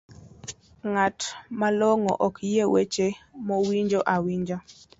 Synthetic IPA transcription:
ŋatmaloŋo̰ʔɔkjewet͡ʃemɔwiɲd͡ʒoʔawiɲd͡ʒa

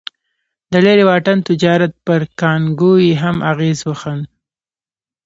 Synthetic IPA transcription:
d̪əleɾewɑʈant̪ɪd͡ʒɑɾat̪̚pəɾkɑŋɡojeɦamʔaɣezwəxən

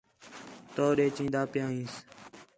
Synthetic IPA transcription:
t̪oːɗeːt͡ʃĩːd̪aːpɪjãːĩːs

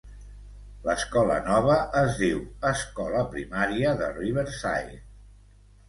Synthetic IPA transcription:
ləskɔlə̰nɔβ̞əːzðiwəskɔləpɾimaɾiəðəriβəɾsa̰j

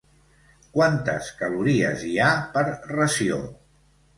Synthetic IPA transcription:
kwant̪əskəluɾiə̰ziapəɾrəsio̰

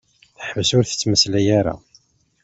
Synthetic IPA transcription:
θəħvəsʊɾθə̥t͡sːməslæjaɾa̰

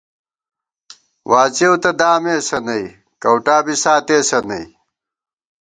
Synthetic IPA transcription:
wʔaːt͡ɕewt̪ɐd̪aːmeːsɐnɐi | kɐwʈaːbisaːt̪eːsɐnɐi

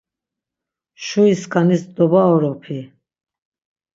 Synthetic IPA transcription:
ʃuiskʰʼanisd̪ɔbaɔɾɔpʰi

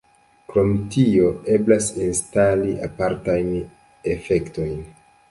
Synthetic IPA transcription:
kɾo̞mtio̞e̞blasinstaliʔapaɾtajn | efe̞kto̞jn

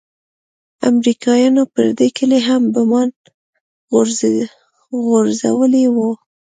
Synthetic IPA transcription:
a̰mɾikɑjɑnopə̰ɾd̪ekəleɦambəmɑn | ɣoɾza̰wəlewu

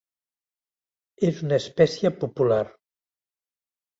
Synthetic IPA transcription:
ezunəespɛsjəpupular

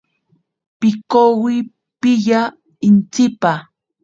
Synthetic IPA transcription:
pɪkowɪ | pɪʎa | ɪnt͡sɪpa

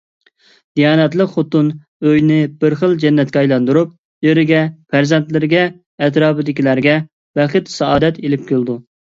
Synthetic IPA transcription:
d̪̥ijɑːnɛt̪lˠəqχot̪ːun | øjnɪb̥ɪɾχəlˠd͡ʒɛnːɛt̪̚kʲɛɑjlˠɑnd̪uɾup̚ | jeɾɪɡʲɛfæɾzɛnt̪lɪɾɪɡʲɛː | t̪ɾɑːpɨd̪ɪkʲilæɾɡʲɛ | bɛχɨt̪sɑɑːd̪ɛt̪elɪp̚kʲʰølˠd̪u

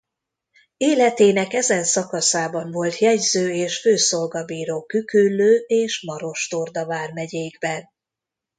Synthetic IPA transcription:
eːlɛt̪eːnɛkɛzɛnsɒkɒsaːbɒɱvo̞lt̪jɛɟzøːeːʃføːso̞lɡɒbiːɾoːkykylːøːeːʃmɒɾo̞ʃt̪ord̪ɒvaːrmɛɟeːɡbɛn

